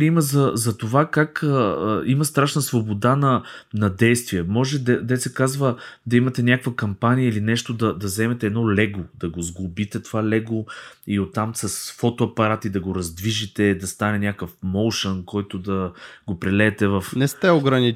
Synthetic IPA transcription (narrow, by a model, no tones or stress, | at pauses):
iməzɐzɐt̪ovakakəimɐst̪ɾaʃnəsvobod̪anɐnɐd̪ɛjst̪vijɛmɔʒɛd̪ɛd̪ɛt̪sɛkazvəd̪ɐimɐt̪ɛnʲakkvəkɐmpanijəilinɛʃt̪od̪ɐd̪ɐzɛmɛt̪ɛɛd̪nɔlɛɡod̪ɐɡozɡlˠʊbit̪ɛt̪ovalɛɡoiot̪ːamsɐsfɔt̪oɐpɐɾat̪id̪ɐɡoɾɐzd̪viʒit̪ɛd̪ɐst̪anɛnʲakəfmolʃənkɔjt̪od̪ɐɡopɾɛlɛːt̪ɛvɐfnɛst̪ɛoɡɾɐni